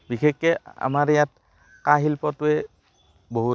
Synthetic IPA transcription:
bixʰekːɛa̰maɹjat | kaɦilpɔtuɛ | boɦu

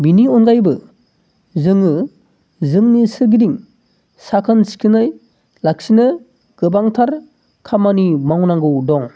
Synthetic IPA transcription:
biniɔnɡajbɯ | zɯŋɯ | zɯŋnisɯɾɡidiŋ | sakʰɯnsi̥kʰɯnɯj | lak̚sinɯ | ɡ̥ɯbaŋtʰaɾ | kʰamanimawnaŋɡɯwdɔŋ

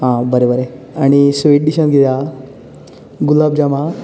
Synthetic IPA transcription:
ɦãbəɾebəɾe | aɽ̃isʋeʈ̚ɖiɕənɡʱit̪a | ɡulabd͡ʑama

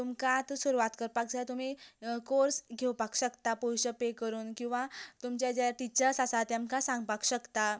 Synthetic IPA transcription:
t̪umkat̪suɾuʋat̪kəɾpak̚d͡zʱajt̪um̤ikoɾsɡʱewpakɕəkt̪apɔwɕəpekəɾuːnkĩw̃ʋat̪umt͡ɕjad͡ʑaʈit͡ɕəɾsasat̪jamkasãŋɡpakɕəkt̪a

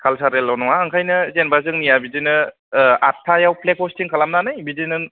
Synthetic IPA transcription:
kʰalsaɾelːawnɔŋaːŋkʰajnɯzenbazɯŋnijabizinɯ | atʰːajawplek̚ʰɔstiŋkʰalamnanɯjbizinɯn

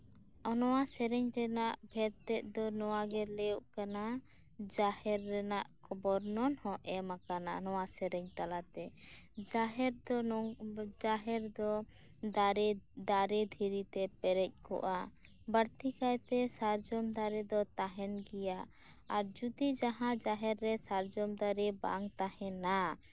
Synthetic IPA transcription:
ɔnɔwasɛɾɛɲɾɛnaʔbʱɛɾt̪ɛʔ̚d̪ɔnɔwaɡɛlɛuʔkana | d͡ʒahɛɾːɛnaʔkɔbɔɾnɔnhɔ̃ʔɛmakana̰nɔwasɛɾɛɲt̪alat̪ɛd͡ʒaɦɛɾd̪ɔ | d͡ʒaɦɛɾd̪ɔ | ɾd̪aɾɛd̪ʱiɾit̪ɛpɛɾɛc̚kɔ̰ʔa | bəɾt̪ikajt̪ɛsaɾd͡ʒɔmd̪aɾɛd̪ɔt̪aɦɛnɡijaʔ | aɾd͡ʒud̪id͡ʒaɦãd͡ʒaɦɛɾːɛsaɾd͡ʒɔmd̪aɾɛba̰ŋt̪ahɛ̃na

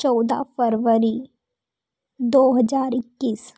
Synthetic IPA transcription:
t͡ʃɔːd̪a̰fəɾʋəɾi | d̪oːɦəd͡ʒaːɾɪkːiːs

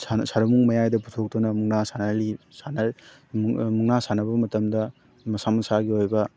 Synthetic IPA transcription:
sasaɾɐmuŋmɐjajdɐputʰok̚tɔnɐmuŋnasanɐlisanɐ | muŋnasanɐbɐmɐtɐmdɐ | mɐsamɐsaɡiojbɐ

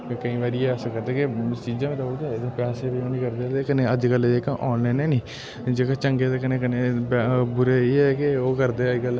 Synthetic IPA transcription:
kəĩːʋaːɾieaːsəkət̪eːket͡ʃiːzãmẽːt̪aːboːd͡ʒ̪aed̪epɛːseːbɪõːniːkəɾd̪eːaːt̪eːkəneːəd͡ʒkəleːkãʔɔːnlaːnɛːniː | d͡ʒeːkat͡ʃəŋɡeːt̪ekɪneːkɪneːbbʊɾeːeɛkeoːkəɾd̪eːəd͡ʒkəl

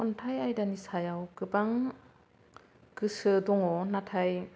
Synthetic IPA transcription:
ɔntʰajajdanisajawkɯbaŋ | kɯsɯdɔŋɔnatʰaj

